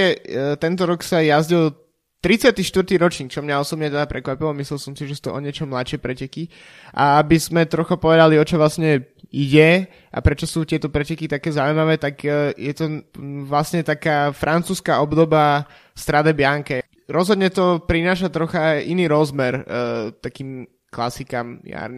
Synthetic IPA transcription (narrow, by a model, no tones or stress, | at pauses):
ɛt̪ɛnt̪ɔɾɔksajazɟil | t̪ɾit͡sɪat̪iʃt̪ʋɾt̪iɾɔt͡ʃɲiːk̚t͡ʃɔmɲaɔsɔbɲɛt̪ɛd̪apɾɛkʋapilɔmislɛlsɔmsiʒɛsu̥ːt̪ɔʔɔɲɪɛt͡ʃɔmlaʃɛpɾɛcɛki | ʔa̰abizmɛt̪ɾɔxapɔʋɛd̪aliɔt͡ʃɔʋlasɲɛ | iɟɛ | ʔa̰pɾɛt͡ʃɔsuːt̪ɪɛt̪ɔpɾɛcɛkit̪akɛːzaʊuimaʋɛːt̪aɡjɛt̪ɔʋlasɲɛt̪akaːfɾʔant͡suːskaɔbd̪ɔba | st̪ɾad̪ɛbɪaŋkɛ | ɾɔzɦɔd̪ɲɛt̪ɔpɾinaːʃat̪ɾɔxaʔiniːɾɔzmɛɾt̪akiːm | klasikamja̰ɾn